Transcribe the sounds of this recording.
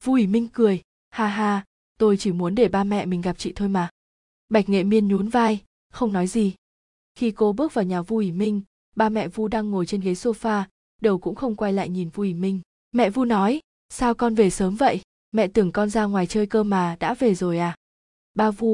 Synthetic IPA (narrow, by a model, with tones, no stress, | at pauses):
vu˧ʔi˧˩mï˧ŋ̟kɨ˨˩əj | haː˧ɦaː˧ | t̪o˧jt͡ɕi˧˩mu˨˦ənɗe˧˩ɓaː˧mɛ̰˧˨mï˨˩ŋ̟ɣa˨˩p̚t͡ɕḭ˧˨t̪ʰo˧jmaː˨˩ | ɓa˨˩jk̟̚ŋḛ˧˨mi˧ənɲu˨˦nvaː˧j | xə˧wŋ͡mnɔ˨˦jzi˨˩ | xi˧ko˧ɓɨ˦˥ək̚vaː˨˩wɲaː˨˩vu˧ʔi˧˩mï˧ŋ̟ | ɓaː˧mɛ̰˧˨vu˧ɗaː˧ŋːo˨˩jt͡ɕe˧nɣə˨˦jso˧faː˧ | ɗe˨˩wkʊ̰˧˥ŋ͡mxə˧wŋ͡mkwa˧jla̰ː˧˨jɲi˨˩nvu˧ʔwi˧˩mï˧ŋ̟ | mɛ̰˧˨vu˧nɔ˨˦j | saː˧wkɔ˧nve˨˩səː˨˦mvə̰˧˨jʔ | mɛ̰˧˨t̪ɨ˨˩əŋkɔ˧nzaː˧ŋwaː˨˩jt͡ɕəː˧jkəː˧maː˨˩ɗa̰ː˧˥ve˨˩zo˨˩jʔaː˨˩ | ɓaː˧vu˧